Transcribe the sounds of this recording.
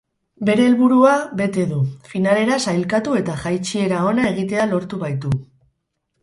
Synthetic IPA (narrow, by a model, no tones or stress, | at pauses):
be̞ɾe̞ːlβuɾuabe̞t̪e̞ðufinale̞ɾasajlkat̪ue̞t̪aʝajt͡ʃie̞ɾao̞nae̞ɣ̞it̪e̞alo̞ɾt̪uβajt̪u